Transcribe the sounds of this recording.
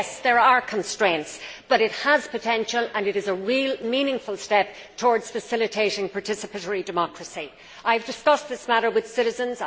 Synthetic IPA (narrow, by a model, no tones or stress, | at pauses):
sðə˞ə˞kʰə̃nstɹ̥ẽɪ̃ntsb̥ʌɾɪt̚həz̥pʰətʰɛ̃nʃələ̃nɨɾɨzəɹiːlˠmĩnɪ̃ŋfəlˠstɛp̚ | tʰɔɹdz̥fəsɪlɨtʰeɪɾɪ̃ŋpʰaɹtʰɪsəpəɾəɹidɨmɑkɹəsi | aɪəvdɪskʌsðɪsmaɾə˞wɨð̥sɪɾɨzə̃nz